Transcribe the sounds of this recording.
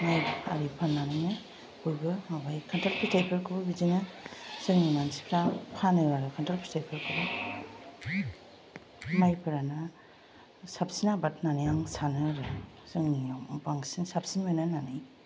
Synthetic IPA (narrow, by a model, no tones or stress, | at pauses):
maja̰ɾipʰanːanɯjnɯ | ujbɯmabajkʰantalpʰitajpʰeɾkʰɯbɯbizinɯsɯŋninansi̥pʰɾapʰanɯwaɾɯkʰantalpʰi̥tajpʰeɾkʰɯbɯ | majpʰɯɾana | sap̚sinabat̚nanajaŋsanɯɾɯ | sɯŋniabaŋsisap̚sinɯjnananaj